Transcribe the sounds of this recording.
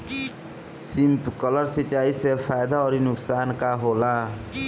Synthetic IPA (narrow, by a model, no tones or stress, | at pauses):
simpkʌlʌɾsit͡ʃaisepʰajd̪aɔɾinuksankaɦolã